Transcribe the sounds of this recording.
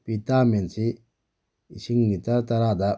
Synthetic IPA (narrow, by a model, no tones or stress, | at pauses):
pit̪aːmensi | iʃiŋnit̪at̪ɐɾad̪a